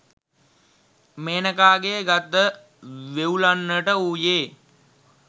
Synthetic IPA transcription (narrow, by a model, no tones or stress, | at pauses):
meːnəkaːɡeːɡat̪ːə | ʋeulanːəʈəuːjeː